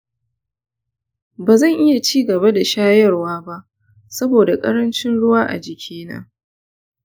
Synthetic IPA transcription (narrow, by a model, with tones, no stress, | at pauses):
baː˨zɐ˦˨ŋʔɪ˦ja˨t͡ʃiː˦ɡɐ˨ba˦da˨ʃaː˦jɐ˦rwaː˦ba˦ʔ | sɐ˦boː˨da˨kʼɐ̰˦ɽɐ˦nt͡ʃɪ˦nɽʊ˦waː˦ʔa̰˨d͡ʒɪ˨kʲʰeː˦na̰ː˦